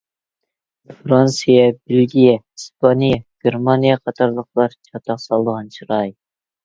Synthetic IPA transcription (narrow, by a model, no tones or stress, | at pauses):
fɾɑnsijɛbelɡʲijɛhispʰɑnijɛɡ̥ʲeɾmɑnijɛqʰɑt̪ʰɑɾlˠəχlˠɑɾt͡ʃʰɑt̪ʰɑqsɑlˠd̪əʁɑnʃʰɨɾɑj